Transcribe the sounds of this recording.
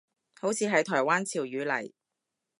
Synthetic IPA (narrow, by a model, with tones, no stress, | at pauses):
ho˨˥wt͡sʰiː˨˧ɦɐ˨˧jt̪ʰɔː˨˩jwaː˥nt͡sʰiː˨˩wjyː˨˥lɐ̰˨˩j